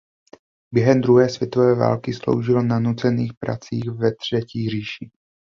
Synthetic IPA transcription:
bjɛɦɛmd̪ɾuɦɛːsvjɛt̪o̞vɛːva̰ːlkɪslo̰wʒɪlonanut͡sɛniːxpɾa̰t͡sḭːxvɛt̪r̝̥ɛciːr̝iːʃiː

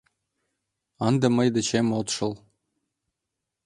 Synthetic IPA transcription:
ɑnd̪ɤ̆mɤjd̪ɘ̆t͡ɕemot̪ʃɤ̆l

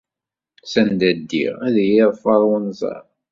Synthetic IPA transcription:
sænd̪æd̪ːḭʁæðjɪðˤfɑɾˤwənzˤɑ̰ɾ

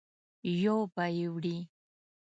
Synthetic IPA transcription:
jowpajɪwɾiː

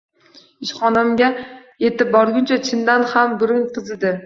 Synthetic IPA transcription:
ɪʃχɒnamɡʲaje̞t̪ɪp̚bɒɾɡʲʊnt͡ʃʰat͡ʃʰɪnd̪anhambʊɾɪŋqʰɨzɪd̪ɪ

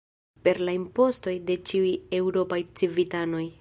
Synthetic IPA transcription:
pe̞ɾlaimpo̞sto̞jde̞t͡ʃiuje̞wɾo̞pajt͡sivitano̞j

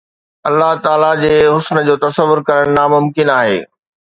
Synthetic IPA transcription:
ɐlːaɦt̪aːlad͡ʑeːɦʊsnəd͡ʑoːt̪ɐsəʋːʊɾkɐɾəɽ̃namʊmkɪnaːɦeː

